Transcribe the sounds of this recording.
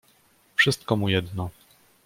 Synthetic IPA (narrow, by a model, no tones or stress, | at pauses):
fʂɘst̪̚kɔmujɛd̪nɔ